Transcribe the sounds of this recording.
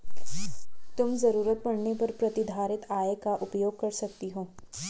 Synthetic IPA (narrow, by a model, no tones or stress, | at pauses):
t̪ʊmzɐɾuːɾət̪̚bɐɽnepɐɾpɾɐt̪ɪd̪ʱaːɾɪt̪aːekaʔʊpjoːɡ̚kɐɾsɐk̚t̪iɦoː